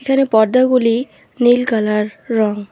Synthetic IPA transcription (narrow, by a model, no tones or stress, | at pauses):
ekʰanepɔɾd̪aɡuli | nilkalaɾːɔŋ